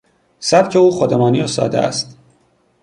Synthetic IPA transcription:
sæb̥̚cʰe̞uːxod̪emɒːniːost̪ɒ̰ːd̪eæ̰st̪

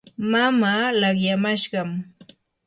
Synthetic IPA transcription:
mamaːlɑχjamaʃɢɑm

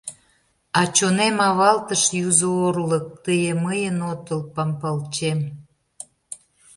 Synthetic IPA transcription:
ɑt͡ɕonemɑβɑlt̪əʃjuzoorlək̚t̪əjeməjənot̪əlpɑmpɑlt͡ɕem

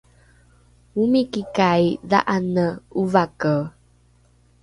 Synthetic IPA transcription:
umikikajða̰ʔanəuvakə

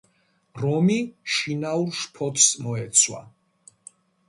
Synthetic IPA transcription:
ɾɔmiʃinauɾʃpʰɔt̪ʰsmɔɛt̪sʰwa̰

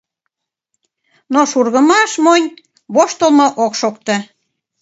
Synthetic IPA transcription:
noʃurɣəmɑʃmonʲ | βoʃt̪əlmoʔokʃokt̪ə̆

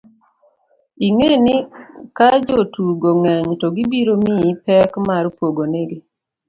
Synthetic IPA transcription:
iŋenɪkad͡ʒotuɡoŋɛɲtɔɡibiɾomipɛkmaɾpwoɡoneɡe

